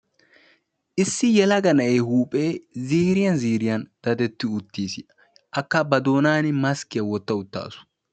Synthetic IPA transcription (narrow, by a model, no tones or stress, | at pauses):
ʔɪsːɪjɛlɐɡɐnɐʔeːhuːpʼeːziːɾɪjɐnziːɾɪjɐnd̪̥ɐd̪ɛt̪ːɪʊt̪ːiːsɪ | ʔɐkːɐbɐd̪o̞ːnaːnɪmɐskɪjɐwɔt̪ːɐʊt̪ːa̰ːsʊ̥